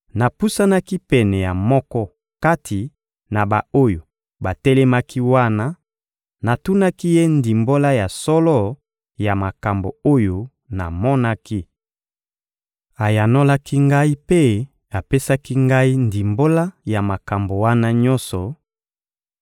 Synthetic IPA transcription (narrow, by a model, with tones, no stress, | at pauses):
na˨pu˦sa˦na˦ki˦pɛ˨nɛ˨ja˨mɔ˦kɔ˦ | ka˦tʰi˨ | na˨ba˨o˦jo˨ | ba˨tɛ˦lɛ˦ma˦ki˦wa˦na˦ | na˨tu˦na˦ki˦je˦ndi˨mbo˦la˦ja˨sɔ˦lɔ˦ | ja˨ma˨ka˨mbo̰˨o˦jo˦ | na̰˨mɔ˦na˦ki˦ | a˨ja˨no˦la˦ki˦ŋɡa˦i˦pe˦ | a˨pe˦sa˦ki˦ŋɡa˦i˦ndi˨mbo˦la˦ja˨ma˨ka˨mbo˨wa˦na˦ɲɔ̃˦nsɔ˨